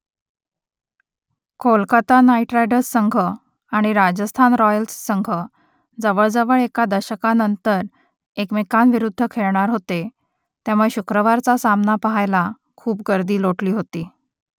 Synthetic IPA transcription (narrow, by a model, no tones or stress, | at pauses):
kʰolkat̪anaiʈɾajɖəssəŋɡʱə | aɽ̃iɾad͡ʑəst̪ʰanɾɔjəlsːəŋɡʱə | d͡zəʋəɭd͡zəʋəɭekad̪əɾɕəkanənt̪əɾ | ekmekanʋiɾud̪ʱːəkʰeɭɳ̃aɾɦot̪e | t̪jamueɕukɾəʋaɾt͡sasamnapəɦajla | kʰuːp̚ɡəɾd̪iːloʈliːɦot̪iː